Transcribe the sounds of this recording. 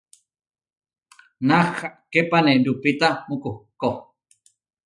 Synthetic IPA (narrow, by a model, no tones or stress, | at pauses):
naχaʔkepanedupit̪amukuhko